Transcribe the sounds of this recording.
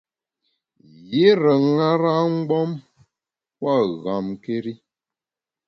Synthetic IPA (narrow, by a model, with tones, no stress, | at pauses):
ji˦ɾə˨ŋa˦ɾa˦ŋ̩˦ɡ͡bɔ˦m | kwa˦˨ɣa˨mke˦ɾi˦